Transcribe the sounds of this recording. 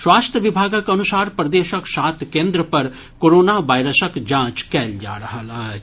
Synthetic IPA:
ʃwaːst̪ʰjəʋɪbʱaːɡkɐnʊsaːɾpɾɐd̪eːʃəksaːt̪ʰkẽːnd̪ɾəpɐɾ | koːɾoːnaʋaːɪɾəsəkd͡ʒãːt͡ʃkɛːld͡ʒa̰ːɽɐɦəlaː

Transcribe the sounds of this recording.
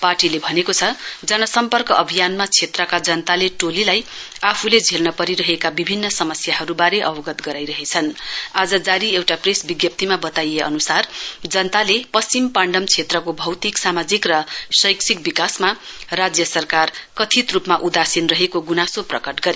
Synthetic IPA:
parʈilebʱʌnekot͡sʰʌd͡zʌnʌsʌmpʌrkʌʔʌbʱijanmat͡sʰet̪rʌkad͡zʌnt̪aleʈolilaj | apʰuled͡zʱelnʌpʌɾiɾʌɦekabibʱinːʌsʌmʌsjaɦʌɾubaɾeʔʌbʌɡʌt̪ɡʌɾajɾʌɦet͡sʰʌnad͡zʌd͡zaɾiewʈapresbiɡjʌp̚t̪imabʌt̪ajeʔʌ̰nusard͡zʌnt̪alepʌst͡simpaɳɖʌmt͡sʰet̪rʌkobʱʌwt̪iksamad͡zikrʌsʌjksʰik̚bikasma | rad͡zjʌsʌrkarkʌt̪ʰit̪rupmaʔud̪asinrʌɦekoɡunasoprʌkʌʈɡʌɾe

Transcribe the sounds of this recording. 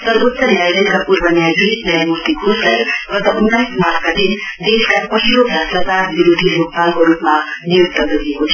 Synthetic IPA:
t̪ʌɾut̪ːʌnjajɾʌnkapuɾbənjad̪esnʌjamuɾt̪ikʰusajɡʌt̪ʌʔunːajsmaɾtʰkad̪ind̪eskapʌɦilokʰasʌkaɾbiɾod̪ʱilok̚palkoɾupmanijukt̪ʌɡʌɾeɦot͡sʰ

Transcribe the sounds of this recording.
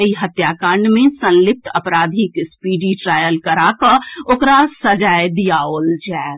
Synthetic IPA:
eiɦət̪jaːkãːɳɖmẽsə̃nlɪp̚ʈ̪əpɾaːd̪ʱikspiːɖiʈɾaːjəlkəɾakəɾoːkɾasəd͡ʒaːjd̪ijaoːld͡ʒaː

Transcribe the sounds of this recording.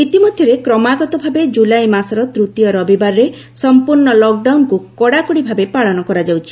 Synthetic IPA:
it̪imɔd̪ʱjɔɾekɾɔmaɡɔt̪ɔbʱabed͡ʒulajmasɔɾɔt̪ɾut̪ijɔɾɔbibaɾɾe | sɔmpuɾɳɔlɔk̚ɖawnkukɔɽakuɽibʱabepaɭɔnɔkɔɾad͡ʒawt͡ʃʰi

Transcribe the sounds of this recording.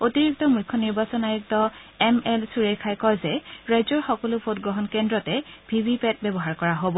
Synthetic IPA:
otiɹik̚tɔmujkʰːɔniɹbasɔnajuktɔɛmɛlsuɹejkʰajkɔjzɛɹajzɔɹxɔkɔlʊpʰotɡɹɔɦɔnkɛndɹɔtɛbʱibipɛt̚bɛbɔɦaɹkɔɹaɦobɔ

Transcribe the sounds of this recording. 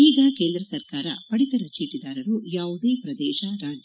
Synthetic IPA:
iːɡɐkeːnd̪ɾɐsɐɾkaːɾɐ̰pɐɽit̪ɐɾɐt͡ʃiːʈid̪aːɾɐɾujaːʋud̪e̞ːpɾɐd̪ɛːʃɐɾaːd͡ʒ

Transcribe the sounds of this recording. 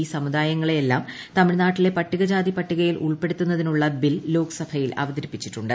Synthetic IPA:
iːsɐmud̪aːjɐŋːɐɭejelːaːm | t̪ɐmiɻnaːʈːile̞pɐʈːiɣɐd͡ʑaːd̪ipɐʈːiɣɐjilʔṵɭpe̞ɽut̪ːunːɐðinuɭːɐbilːo̞ːkɐ̥sɐbʱɐjilʔɐ̰ʋɐd̪ɐɾipːit͡ɕːiʈːuɳɖɨ

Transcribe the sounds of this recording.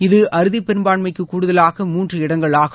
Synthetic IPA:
ɪðɯʔɐɾɯðipɛɾɯmbaːɳmɐɪkːɯkːuːɽɯðɐlaːɣɐmuːndrɐɪɽɐŋɡɐɭaːɣ

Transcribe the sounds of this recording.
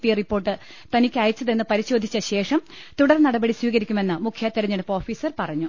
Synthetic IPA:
pijɐripːoːʈːɨ | t̪ɐnikʲːaːjɐt͡ɕːɐðe̞nːɨpɐɾiɕo̞ːd̪ʱit͡ɕːɐɕe̞ːʂɐm | t̪uɽɐrnɐɽɐbɐɽiswiːɣɐɾikʲːume̞nːɨmukʰjaːt̪ːiɾɐɲːeɽɨpːo̞ːfiːsɐrpɐrɐɲːu

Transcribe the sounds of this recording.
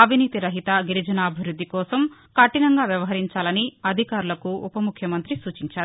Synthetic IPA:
ɐbʱiniːt̪iɾɐɦit̪ɐɡiɾid͡ʒɐnaːbʱiʋɾud̪ʱːikɔːsɐmkaʈinɐŋɡaːʋjɐʋɐɦɐɾiɲt͡ʃaːlɐniɐd̪ʱikaːɾulɐkuupɐmukʰjɐmɐnt̪ɾisuːt͡ʃiɲt͡ʃaːɾuu

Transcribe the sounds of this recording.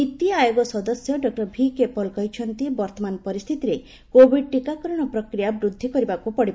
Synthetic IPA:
it̪ajoɡɔsɔd̪ɔsjɔɖɔk̚ʈɔɾbʱikepɔlkɔɦit͡ʃʰɔnt̪ibɔɾt̪ɔmanpɔɾist̪ʰit̪iɾe | kobʱiɖ̚ʈikakɔɾɔɽ̃ɔpɾɔkɾijabɾud̪ʱːikɔɾibakupɔɽib

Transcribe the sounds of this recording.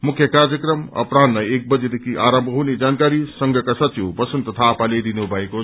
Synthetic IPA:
mukʰːjʌkard͡zjʌkɾʌmʌ̰pɾad̪lajek̚bʌd͡zed̪ekʰiʔaɾʌmbʱʌɦuned͡zankaɾisʌŋɡʱʌkasʌtiwbʌsʰunt̪ʌt̪ʰaːpaled̪inubʱʌeko

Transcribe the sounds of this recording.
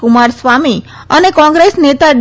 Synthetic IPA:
kʊmaɾsʋami | ənekɔ̃ŋɡɾesnet̪aɖ

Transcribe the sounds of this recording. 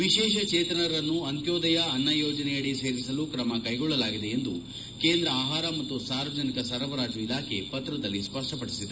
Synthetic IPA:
ʋiʃɛːʃɐt͡ʃeːt̪ɐɳɐɾɐnːuɐnt̪joːd̪ɐjɐɐnːɐjoːd͡ʒɐnɛjɐɽise̞ːɾisɐlukɾɐmɐkɐjɡɔɭːɐlaːɡid̪e̞end̪ṵ | keːnd̪ɾɐaːɦaːɾɐmɐt̪ːusaːɾʋɐd͡ʒɐnikɐsɐɾɐʋɐɾaːd͡ʒuilaːkʰe̞pɐt̪ɾɐd̪ɐlːispɐɾʂʈɐpɐɽisid̪e

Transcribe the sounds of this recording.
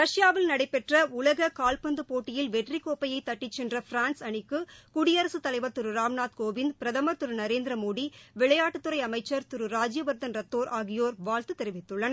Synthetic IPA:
ɾɐʂjaːʋɪlnɐɽɐɪpːɛʈrɐʊlɐɣɐkaːlpɐnd̪ɯpoːʈːɪjɪlʋɛʈrikoːpːɐjɐɪt̪ɐʈːɪt͡ʃːɛndrɐfɾaːnsɐɳɪkːɯkʊɽɪjɐɾɐsɯt̪ːɐlɐɪʋɐɾt̪ɯɾɯɾaːmnaːt̪̚koːʋɪnd̪pɾɐðɐmɐɾt̪ɯɾɯnɐɾeːnd̪ɪɾɐmoːɽiʋɪɭɐjaːʈːɯt̪ːɯɾɐɪɐmɐɪt͡ʃːɐɾt̪ʊɾɯɾaːd͡ʒjɐʋɐɾd̪ɐnɾɐt̪ːoːɾʔaːɣɪjoːɾʋaːlt̪ɯt̪ɛɾɪʋɪt̪ːɯɭːɐnɐ

